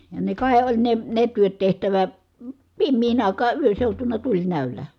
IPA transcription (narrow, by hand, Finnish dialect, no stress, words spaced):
jɑ ne kɑˑi olʲ ne ne tyøt tehtæʋæ pimːiːn ɑˑikɑː yøn̞ seutunɑ tulʲnæˑølæ